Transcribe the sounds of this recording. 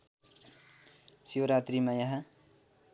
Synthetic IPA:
sioɾat̪rimajaɦã

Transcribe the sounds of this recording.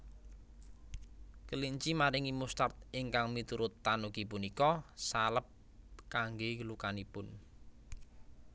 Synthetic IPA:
kəliɲt͡ʃimaɾɪŋimust̪art̪̚ɪŋkaŋmit̪uɾʊt̪ːanukipunikɔsaləp̚ | kaŋɡekəlukanipʊn

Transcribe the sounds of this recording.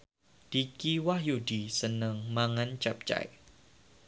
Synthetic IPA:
d̥ikiwahjudisənəŋmaŋant͡ʃap̚t͡ʃa̰j

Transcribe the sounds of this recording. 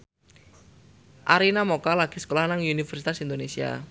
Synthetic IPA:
ʔaɾinamokalaɡ̥i̤sə̥kolahnaŋunifɛrsit̪asind̪onesia̰

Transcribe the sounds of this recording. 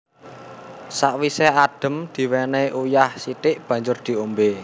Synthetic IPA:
saʔwisead̥ə̤md̪̥i̤wɛneʔujahsit̪ɪʔb̥ä̤ɲd͡ʒʊrd̪̥i̤ombe

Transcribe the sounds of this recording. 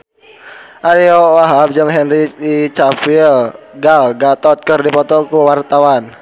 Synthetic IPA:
ʔaɾiɔwaɦab̚d͡ʒɨŋɦɛnriit͡ʃafilɡalɡat̪ɔt̪̚kərdipɔt̪ɔkuwart̪awan

